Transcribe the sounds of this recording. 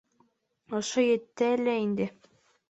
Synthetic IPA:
ŏʃojɘ̆t̪ːæɘlæind̪ɘ

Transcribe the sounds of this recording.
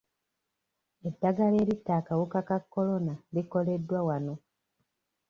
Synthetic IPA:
e̞dːaɡale̞ːɾitːaːkawukakakːo̞lo̞naliko̞le̞dːwawano̞

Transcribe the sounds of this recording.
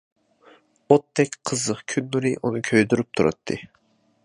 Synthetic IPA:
ot̪ʰːɛkʲqʰəzəqkʲʰynːuɾɨʔunɨkʲʰøjd̪yɾyp̚t̪ʰuɾʔɑ̰t̪ʰːɨ

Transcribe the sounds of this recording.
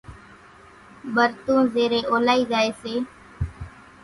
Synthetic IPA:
ɓəɾt̪ũːzeːɾeːʔoːlaːiːzaːeːseː

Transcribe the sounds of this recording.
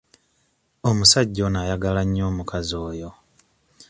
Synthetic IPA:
omusaɟːo̞najaɡalaɲːo̞ːmukʰazo̞ːjo̞

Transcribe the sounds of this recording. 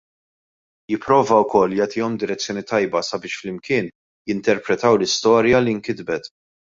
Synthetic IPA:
jɪpːɾɔːvɐwkɔlːjɐːt̪ɪːɔmd̪ɪɾɛt͡sːjɔːnit̪ɐjbɐsɐbɪːʃflɪmkɪːn | jɪnt̪ɛɾpɾɛt̪ɐwlɪst̪ɔːɾjɐliŋkɪd̪bɛt̪

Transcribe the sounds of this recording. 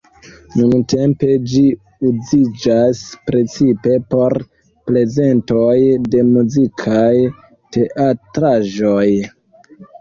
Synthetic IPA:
nunte̞mpe̞d͡ʒi | uzid͡ʒaspɾe̞t͡sipe̞po̞ɾ | ple̞ze̞ntojde̞muzikʰaj | te̞ʔatɾaʒoj

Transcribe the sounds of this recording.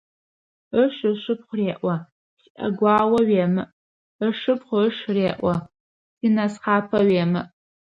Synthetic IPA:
əʃɨʃɨpχʷʊreːʔʷɐ | sʔɐ̰ɡʷɑːwɐɥeːmɨʔ | əʂɨpχʷʃreːʔʷɐ | sinɐsχɑːpʰɐɥeːmɨʔ

